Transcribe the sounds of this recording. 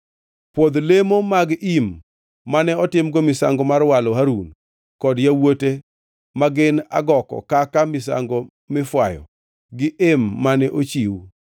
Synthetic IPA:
pwod̪lemomaɡʔimː | anɛɔtɪmɡomɪsa̰ŋɡɔmarwalɔɦaɾun | kɔdjawote | maɡɪna̰ɡɔkɔ̰kakamɪsa̰ŋɡɔ | mɪfwajɔ̰ | ɡɪʔemːanɛʔot͡ʃiw

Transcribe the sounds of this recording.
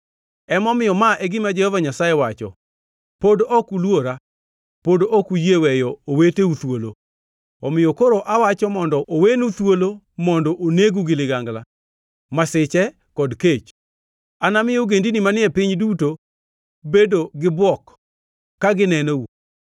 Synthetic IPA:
ɛmɔmɪjɔmaʔɛɡɪmad͡ʒɛhɔvaɲasajɛwat͡ʃɔ̰ | podʔɔkulwoɾa | podoɔkujewɛjɔoweteut̪wolo | ɔmɪjɔkoɾoʔawat͡ʃɔmɔndɔʔowenut̪wolo | mɔndɔʔoneɡuɡɪlɪɡaŋɡla | masɪt͡ʃɛ | kɔdket͡ʃ | anamɪjɔɡendinimanɪɛpɪɲduto | bedoɡɪbwɔkː | aɡɪnɛnou

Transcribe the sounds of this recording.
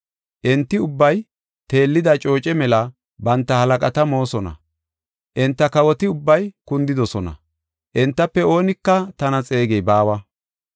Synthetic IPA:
ʔɛnt̪ːɪʊbːɐj | t̪e̞ːlːɪd̪ɐt͡ʃʼo̞ːt͡ʃʼɛmɛlɐ | bɐnt̪ːɐhɐlɐkʼɐt̪ɐmo̞ːsɔnɐ̰ | ʔɛnt̪ːɐkɐwɔt̪ɪʊbːɐjkʊnd̪ɪd̪ɔsɔnɐ̰ | ʔɛnt̪ːɐpːɛo̞ːnɪkːɐt̪ɐnɐt͡sʼe̞ːɡɛjbaːwɐ

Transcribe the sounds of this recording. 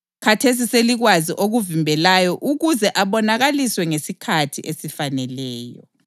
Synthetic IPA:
kʰatʰes̬iseliɣwaziʔoɣuvimbʱɛlajɔʔuɣuzɛʔaβɔnaɣaliswɛŋesikʰatʰiʔesifanɛlɛːjɔ̰

